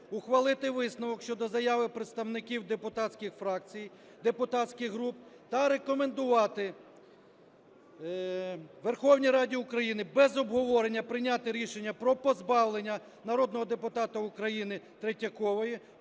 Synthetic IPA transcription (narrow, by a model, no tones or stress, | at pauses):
ʊxʋɐlˠɪt̪ɪʋɪsnʊʋɔkʃt͡ʃɔd̪ɔzɐjɑʋɪpɾet̪st̪ɐwnɪkʲiwd̪epʊt̪ɑtsʲkʲɪxfɾɑk̚t͡sʲij | d̪epʊt̪ɑtʲsʲkʲɪxɦɾupt̪ɐɾe̞kɔmend̪ʊʋɑt̪ɪ | ʋerxɔwnʲijɾɑdʲiʊkɾɐjinɪbɛzɔbɦɔʋɔɾenʲːɐpɾɪnʲat̪ɪɾʲiʃenʲːɐpɾɔpɔzbɑwlˠenʲːɐ | nɐɾɔd̪nɔɦɔd̪epʊt̪ɑt̪ɐʊkɾɐjinɪt̪ɾetʲːɐkɔʋɔji